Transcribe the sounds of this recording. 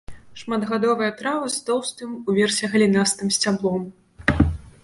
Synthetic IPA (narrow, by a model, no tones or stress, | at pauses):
ʂmad̪ɣad̪ɔvɨjɐt̪ɾavɨst̪ɔwst̪ɨmuvʲɛrsʲɛɣɐlʲinast̪ɨmsʲt͡sʲablˠɔm